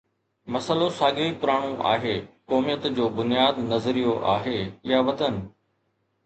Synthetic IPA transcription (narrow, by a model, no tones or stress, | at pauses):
mɐsəlosaːɡeipʊɾaːɽ̃uʔa̰ːɦeːkɔːmijət̪d͡ʑoːbʊnijaːd̪nɐzɾijoʔaːɦeːjaʋɐt̪ənɪ̆